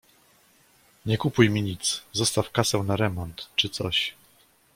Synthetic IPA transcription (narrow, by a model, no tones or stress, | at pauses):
ɲɛkupujmʲiɲit̪szɔst̪afkasɛwnaɾɛmɔnt̪t͡ʂɘt̪sɔɕ